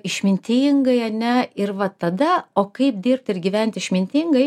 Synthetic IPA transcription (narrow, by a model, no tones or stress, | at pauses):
ɪʃʲmʲɪnʲt̪ʲiːŋɡɐɪɐnʲɛɪrʋɐt̪ɐd̪ɐoːkɐɪp̚d̪ʲiːɾp̚t̪ɪrɡʲiʋʲɛnʲt̪ʲɪʃʲmʲɪnʲt̪ʲiŋɡɐɪ